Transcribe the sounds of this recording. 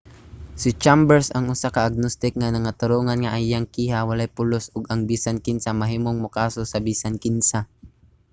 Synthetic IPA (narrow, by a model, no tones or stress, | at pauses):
sɪt͡ʃambɛɹsɐŋʔʊsakɐʔːɡ̚nost̪ɪk̚ŋanɐŋat̪ʊɾoŋanŋaʔajaŋkiːhawɐlajpʊlosʔʊɡɐŋbiːsankɪnsamɐɦiːmoŋmʊkaːsosɐbiːsankɪnsa